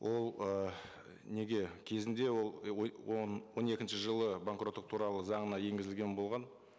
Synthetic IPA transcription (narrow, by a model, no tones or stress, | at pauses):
wʔo̞lˠə | ne̞ɡʲe̞kʲʰe̞zɪnd̪e̞wo̞lˠ | nwo̞ne̞kʲɪnʃɪʒəlˠəbaŋkrot̪ːəq̚t̪ʰuɾɑlˠəzɑɴənɑje̞ŋɡʲɪzɪlɡʲenbo̞lˠʁɑn